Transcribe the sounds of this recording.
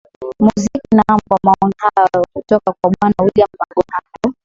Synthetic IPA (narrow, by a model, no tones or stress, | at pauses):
muzikinaambwamaɔŋhajjɔkutɔkakwaɓwanawiliam̩baɡɔhajɔ